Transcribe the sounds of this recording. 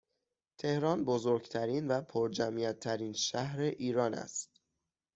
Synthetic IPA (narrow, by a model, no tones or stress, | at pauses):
t̪ʰe̞hɾɒːnbozoɾɡt̪ʰæɾiːnvæpʰoɾd͡ʒæmijæt̪ʰːæɾiːnʃæhɾeʔiːɾɒːnæ̰st̪